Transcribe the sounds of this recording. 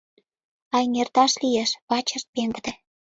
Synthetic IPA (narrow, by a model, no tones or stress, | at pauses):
ɑjŋert̪ɑʃlijeʃβɑt͡ɕə̆ʃt̪̚peŋɡəd̪ĕ